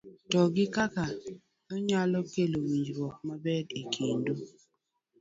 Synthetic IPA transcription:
tɔɡɪkaka | nɔɲalɔkelowiɲd͡ʒɾwɔk̚mabɛdekʰindo

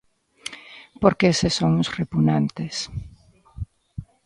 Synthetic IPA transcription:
poɾkeesesoŋʊsrepunant̪es

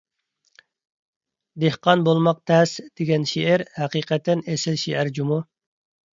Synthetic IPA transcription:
d̪ehqɑnbolˠmɑq̚t̪ʰɛsd̪̥eɡʲɛnʃiʔæɾhæqiːqʰɛt̪ʰːɛnesɪlʃiʔæɾd͡ʒumu

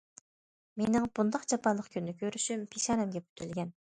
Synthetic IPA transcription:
menɪŋb̥und̪ɑqd͡ʒɑpʰɑnlˠəqkʲʰynːɪkʲʰøɾyʃympʰeʃɑɾɛmɡʲɛp̚y̥t̪ʰylɡʲɛn

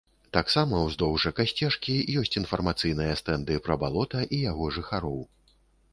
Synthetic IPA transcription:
t̪aksamɐwzd̪ɔwʐɐkasʲt͡sʲɛʂkʲijɔsʲt͡sʲinfɐrmat̪sɨjnɨjɐst̪ɛnd̪ɨpɾɐbalˠɔt̪ɐʔijaɣɔʐɨxaɾɔw

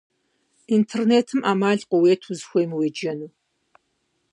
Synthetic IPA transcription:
intʰerneːtʰɨmʔaːmaːɮqʷʊweːtʰuzxʷɔjmweːd͡ʒɐnuː

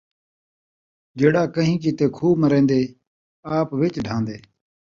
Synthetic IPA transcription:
ɡeːɽaːkəɦĩːk̬iːt̪eːkʰuːməɾẽːnd̪eː | aːpʋɪt͡ʃɖʱãːnd̪eː

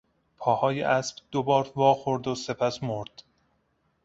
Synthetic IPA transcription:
pʰɒːhɒːjḛʔæsbd̪̥obɒːɾvɒːxoɾd̪ose̞pʰæsmoɾd̪̥

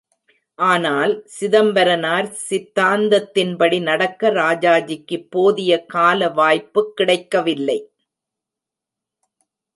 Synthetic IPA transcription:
ʔaːnaːlsɪðɐmbɐɾɐnaːɾsɪt̪ːaːnd̪ɐt̪ːɪnpɐɽinɐɽɐkːɐɾaːd͡ʒaːd͡ʒɪkːɯpːoːðɪjɐkaːlɐʋaːjpːɯkːɪɽɐɪkːɐʋɪlːɐɪ

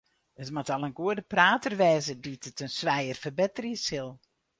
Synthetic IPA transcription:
ətmatalˠənɡuədəpraːtərʋɛːzəditʰətənsʋɛjərfərbɛtəriəshɪlˠ

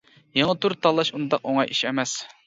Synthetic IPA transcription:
jeŋət̪uɾt̪ʰɑlˠːɑʃund̪ɑqoŋɑjʔiʃɛmɛs

